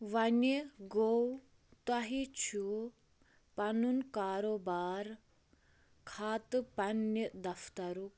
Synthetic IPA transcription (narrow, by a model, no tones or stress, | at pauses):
ʋɐnəɡow | t̪ɐɦit͡ʃʰu | pɐnunkaːɾoːbaːɾ | kʰaːt̪pɐnːəd̪ɐft̪ɐɾuk